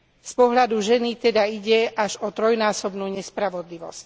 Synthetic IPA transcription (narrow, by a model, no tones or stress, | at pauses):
spɔɦʎad̪uʒɛnit̪ɛd̪aiɟɛʔaʒɔt̪ɾɔjnaːsɔbnuːɲɛspɾaʋɔd̪liʋɔ̰sc